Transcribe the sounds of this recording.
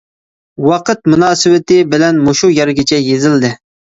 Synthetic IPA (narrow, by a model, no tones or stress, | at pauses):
wɑqət̪̚munɑːsɨwɪt̪ɪbɪlɛnmoʃujɛɾɡʲɪt͡ʃʰɛjezɪld̪ɪ